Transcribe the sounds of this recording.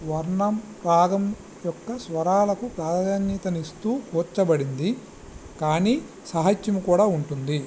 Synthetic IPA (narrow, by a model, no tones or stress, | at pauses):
ʋɐɾɳɐmpɾaːɡɐm | jɔkːɐsʋɐɾaːlɐkupɾaːd̪ɐd͡ʒanjiːt̪ɐnist̪uːkuːt͡ʃːɐbɐɽind̪i | kaːniː | sɐɦɐt͡ʃːɐmukuːɽaːuɳʈund̪i